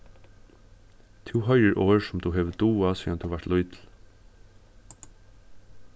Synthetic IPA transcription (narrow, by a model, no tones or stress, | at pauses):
t̪ʰuːɦœʏəɹʔoːɹsʊmt̪ʰuɦeːʋəd̪uːasiːant̪ʰuʋaɹt̪lʊʏt̪l̩